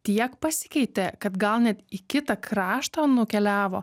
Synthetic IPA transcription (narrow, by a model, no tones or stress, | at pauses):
t̪ʲiɛkpɐsʲɪ̥kʲɛɪt̪ʲɛkɐt̪ɡɐlˠnʲɛt̪ikʲɪt̪ɐkɾɑːʃt̪onʊkʲɛlʲæːʋoː